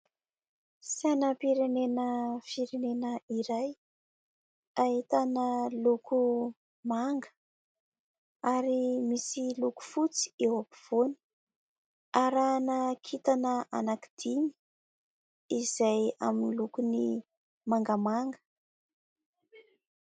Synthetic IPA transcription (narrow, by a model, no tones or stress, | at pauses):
sanəpiɾenenəfiɾenenəiɾaj | aɦit̪anəluku | maŋɡə̥ | aɾimisiluku̥fut͡si̥ewapiv̥oni̥ | aɾanəkʰit̪anəʔanakid̪̥ini̥ | izaja̰minilukuni | maŋɡəmaŋɡə̥